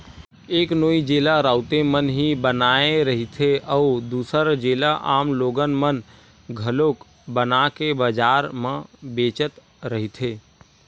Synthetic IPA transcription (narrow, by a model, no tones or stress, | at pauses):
eːknoːid͡ʒeːlaɾaːʊt̪emənɦibənaːeɾəɦit̪ʰeʔəʊd̪uːsəɾd͡ʒeːlaʔa̰ːmloːɡənmən | ɡʱəloːk | bənakebəd͡ʒaːɾmə̃beːt͡ʃət̪ | ɾəɦit̪ʰeː